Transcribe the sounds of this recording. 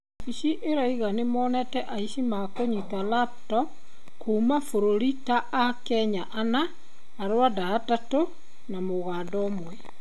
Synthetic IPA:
iʃiʔeɾaiɣanemɔːnɛtɛʔaiʃimakoɲitalaptɔ | koumafoɾoɾitaʔakɛɲaʔanaː | ɾwadaːtato | namoɣaːdɔmwɛ

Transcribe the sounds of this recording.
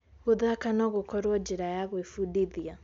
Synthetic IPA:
ɣoðakanɔɣokɔɾwɔd͡ʒiɾajaɣwefudiðia

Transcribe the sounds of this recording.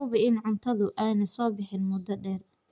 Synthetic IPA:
ʊβɪɪnʕʊnt̪ʰɐðʊʔaːnɐsɔːbɪħɪnmʊd̪ɐɖɛːr

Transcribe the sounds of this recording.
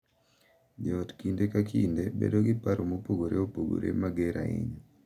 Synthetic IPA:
d͡ʒɔtkindekakʰindebḛdoɡɪpaɾomopoɡoɾeopoɡo̰ɾḛmaɡɛɾʔa̰ɪ̰ɲ

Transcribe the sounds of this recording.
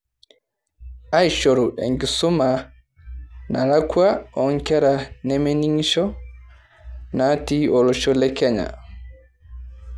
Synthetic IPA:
ajʃoɾuɗɛ̰ŋɡisuma | nalakwaɔŋkɛɾanemeniŋʃɔ | natiɔlɔʃɔlɛkɛɲa̰

